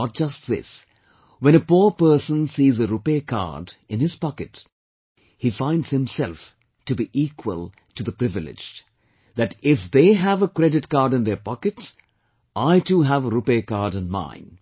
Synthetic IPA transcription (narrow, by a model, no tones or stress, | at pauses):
ɔt̚d͡ʒ̥ʌst̚ðɪ̰s | wɛ̃ñəpuɹpə˞sə̃nsiːzəɾupekʰɑ̰ɹdɪ̃nɪz̥pɑkɨt | hifãɪ̃ndz̥hɪ̃msɛlˠf | tɨbiʔiːkʰwə̰lˠ | tɨðəpɾɪvɪlɪ̰d͡ʒ | ðɨtɪfðeɪævəkɾɛdɨtkɑːɾdɨ̃nðə˞pɔkɨts | ʔaɪtuɦævəɾupekaɹdɨ̃nmã̰ɪ̃n